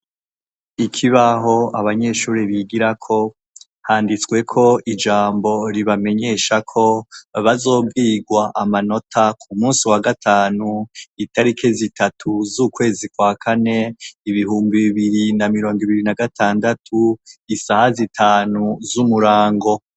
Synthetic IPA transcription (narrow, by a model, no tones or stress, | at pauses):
ikʰiβaɦo̞aβaɲe̞ʃuːɾiβiɡiɾakʰo̞ | haːndit͡swe̞kʰo̞id͡ʒaːmbo̞ɾiβame̞ɲe̞ʃakʰo̞βazo̞ːbɡiːɡwaʔamano̞tʰakʰumuːsiwaɡatʰaːnuitaɾikʰezitatʰuzukwe̞ːzikwakʰane̞iβihuːmbiβiβiɾinamiɾo̞ːŋɡiβiɾinaɡatʰaːndatʰuisahazitʰaːnuzumuɾaːŋɡo̞